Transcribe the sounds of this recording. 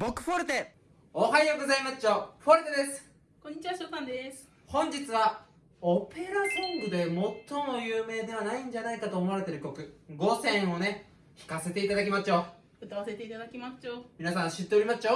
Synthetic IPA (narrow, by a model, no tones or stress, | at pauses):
bokːɯ̟ɸoɾɯ̟t̪e | oɦajoɡo̞zaimaɕoɸoɾɯ̟t̪ed̪e̞sɨ̥ | kõ̞ɲ̟ːit͡ɕiβaɕot̪ãnd̪esɨ̥ | hõ̞ɲ̟d͡ʑit͡sɨβa | ope̞ɾasõŋɡɯ̟d̪e̞mo̞t̪ːo̞mo̞jɯːme̞ːd̪e̞β̞anaĩɲ̟d͡ʑanaikat̪o̞ːmo̞aɾe̞t̪e̞ɾɯ̟kʲo̞kɯ̟ɡo̞sẽ̞ɰ̃o̞ne̞ | çi̥kase̞t̪e̞it̪ad̪akʲimaɕo̞ | ɯt̪aβase̞t̪e̞it̪ad̪akʲimḁt͡ɕomʲinasãɕɨt̪ːe̞o̞ɾʲimaɕo